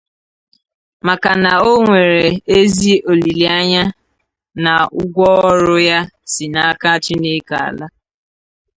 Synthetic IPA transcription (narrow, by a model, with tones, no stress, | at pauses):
ma˨ka˨na˨o˦ŋʷe˨ɾe˨e˦zi˦o˨li˨li˨a˦ɲa˦ | na˨ʊ˦ɡʷɔ˦ɔ˦ɾʊ˦ja˦si˨na˦a˦ka˦t͡ʃɪ˦ne˦ka̰˨a̰˨la˦